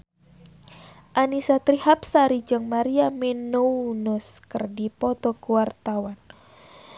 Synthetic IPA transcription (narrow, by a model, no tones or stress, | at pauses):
ʔanisat̪ɾihap̚saɾid͡ʒɔŋmaɾiamenounɔskərdipɔt̪ɔkuwart̪awan